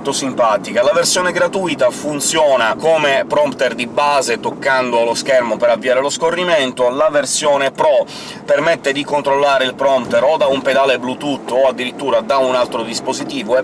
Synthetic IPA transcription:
t̪osimpaːt̪ikalaversjɔːneɡɾat̪uit̪afunt̪sjɔːnakomepɾɔmpt̪erd̪ibaːzet̪okːand̪oloskɛrmopeɾavːiaːɾeloskorːiment̪olaversjɔːnepɾɔ | permet̪ːed̪ikont̪ɾolːaːɾeilpɾɔmpt̪eɾod̪aumped̪aːleblut̪ut̪ːoad̪ːiɾit̪ːuːɾad̪aunalt̪ɾod̪ispozit̪iːvoɛ

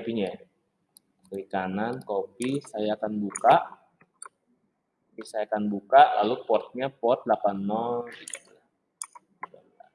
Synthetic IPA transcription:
apiɲa | likanankopisajaːkanbukaʔ | kpisajakanbukaʔlalupɔt̪̚ɲapɔt̪̚lapanmɔɡit̪lah | a

